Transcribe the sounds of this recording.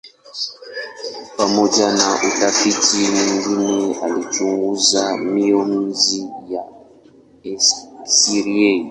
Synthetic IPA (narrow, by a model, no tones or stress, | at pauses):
pamod͡ʒanaʔutafitiniŋɡinealit͡ʃuŋɡuzamion̩zija | siɾiei